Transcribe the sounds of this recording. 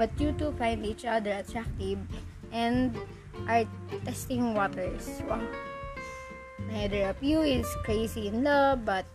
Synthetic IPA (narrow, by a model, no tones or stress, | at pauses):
bɐt̪̚jut̪ufãjnd̪it͡ʃad̪əɹɐt̪ɹak̚t̪ɪv | ʔɛ̃nd̪ | ʔaɹt̪ɛst̪ɪ̃ŋwɔt̪ɛɹswaŋ | najd̪ɛɹɐpjuɪt̪skɹeɪsiɪ̃nlabɐt̪̚